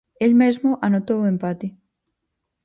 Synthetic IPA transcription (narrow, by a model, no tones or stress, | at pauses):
elmezmʊʔanot̪owempat̪i